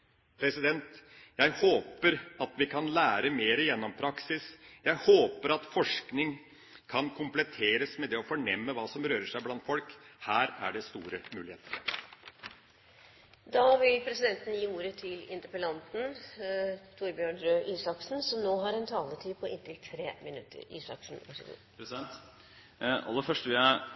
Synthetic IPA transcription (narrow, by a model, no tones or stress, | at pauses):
pʰɾɛsɪd̪ɛnt̪jæɪhoːpəɾɑt̪ʋɪkʰɑnlæːɾəmeːɾəjɛnːɔmpʰɾɑksɪsjæɪhoːpəɾɑt̪fɔʂknɪŋ | kʰɑnkʰʊmplɛt̪ʰeːɾəsmɛd̪ɛɔfɔɳɛmːəʋɑːsɔmɾøːɾəʂæɪblɑnt̪fɔlkhæːɾæ̰ɖɛst̪uːɾəmʉːlɪheːt̪əɾ | d̪ɑːʋɪlpʰɾɛsɪd̪ɛnt̪n̩jiːuːɾət̪ʰɪlɪ̰nt̪əpəlɑnt̪n̩ | t̪ʰuɾbjøːɳɾøːʔiːsɑksn̩sɔmnoːɦɑɾɛnt̪ʰɑːləʈʰyːpʰɔɪnt̪ʰɪlt̪ʰɾeːmɪnʉt̪ʰːə̰ɾḭːsɑ̰ksn̩ɑ̰ʂɪ̰d̪̰ | pɾɛsɛnt̪ | ɑ̰lːəfœʂʈəʋɪæ